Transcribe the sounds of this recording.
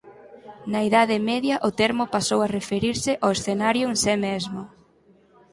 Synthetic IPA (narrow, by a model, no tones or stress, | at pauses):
nɐiðaðɪmɛðjɐʔʊt̪eɾmʊpasowarefeɾiɾsɪʔoesθenaɾjʊnsemezmʊ